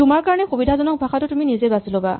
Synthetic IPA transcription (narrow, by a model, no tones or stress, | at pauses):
umaɹkaɹnekubidʱazɔnɔk̚bʱakʰatɔtuminizebasulɔba